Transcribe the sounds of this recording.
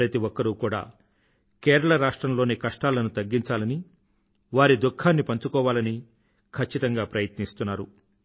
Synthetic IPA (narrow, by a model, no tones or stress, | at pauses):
ɾɐt̪iʋɔkːɐɾukuːɽa̰ː | keːɾɐɭɐɾaːʂʈɾɐmlo̞ːneːkɐʂʈaːlɐnut̪ɐɡːiɲt͡ʃaːlɐni | ʋaːɾid̪ukʰːaːnːipɐɲt͡ʃukɔːʋaːlɐni | kʰɐt͡ʃːit̪ɐŋɡaːpɾɐjɐt̪nist̪unːaːɾu